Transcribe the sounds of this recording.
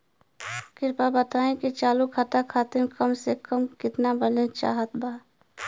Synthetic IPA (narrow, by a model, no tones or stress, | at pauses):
kɪɾpabət̪aːẽkit͡ʃaːlukʰat̪akʰaːt̪ɪmkəmsekəmkɪt̪nabəlet͡ʃa̰ːɦət̪baː